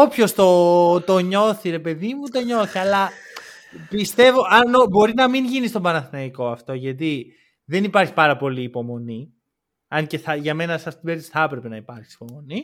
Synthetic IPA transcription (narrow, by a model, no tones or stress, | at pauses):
o̞pço̞st̪o̞t̪oɲo̞θiɾe̞pe̞ðimut̪o̞ɲo̞θiɐlɐ | pist̪e̞vo̞ʔɐnobo̞ɾinɐmiɲʝinist̪o̞bɐnɐθinɐiko̞ɐft̪o̞ʝɐt̪̬i | ðe̞nipɐɾçi̥pɐɾɐpo̞liːpo̞mo̞ni | ɐnce̞θɐʝɐme̞nɐsɐst̪ibe̞ɾt̪isi̥θɐpɾe̞pe̞nɐipɐɾçi̥si̥po̞mo̞ni